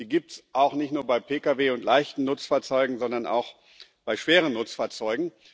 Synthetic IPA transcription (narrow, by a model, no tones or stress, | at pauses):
d̥iːɡiːp̚tsʔaʊxnɪçtnuːɐbaɪpʰeːkaveːʊntlaɪçtn̩nʊt͡sfaːɐt͡sɔʏɡŋ̩zɔndɐna̰ʊx | b̥aɪʃv̥eːʁənnʊt͡sfaːɐt͡sɔʏɡŋ̩